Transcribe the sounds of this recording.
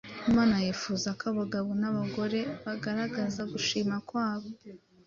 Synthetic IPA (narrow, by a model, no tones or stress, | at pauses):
imaːnajefuzakaβaɡaβo̞naβaɡo̞ɾe̞βaɡaɾaɡazaɡuʃiːmakwaːβo̞